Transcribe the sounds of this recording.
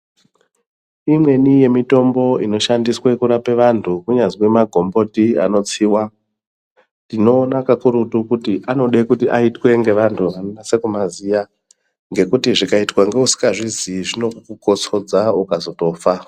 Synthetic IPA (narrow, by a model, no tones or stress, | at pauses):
imwe̞nije̞mito̞mbo̞ino̞ʃandiswekuɾapeʋantʰukuɲaziwemaɡʱo̞mbo̞tia̰no̞t͡siːwa | ndino̞ːnakakuɾutukutiʔano̞ɗekutiʔaitwe̞ŋɡe̞ʋantʰuʋanonase̞kumazija | ŋɡe̞kutiʐikaitwaŋɡe̞usi̥kaʐiziʐino̞kukuko̞t͡so̞d͡zaukazo̞to̞ːfa